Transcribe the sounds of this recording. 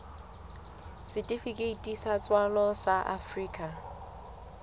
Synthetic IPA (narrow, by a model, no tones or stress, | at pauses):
sɪtʼifikʼeitʼisat͡sʼwalɔsaʔa̰friːkʼa